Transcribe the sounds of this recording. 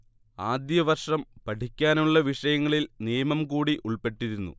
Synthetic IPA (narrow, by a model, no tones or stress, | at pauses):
aːd̪jɐʋɐrʂɐmpɐʈʰikʲːaːnuɭːɐʋiʂɐjɐŋːɐɭilnijɐmɐmkuːɽiʔuɭpe̞ʈːiɾunːṵ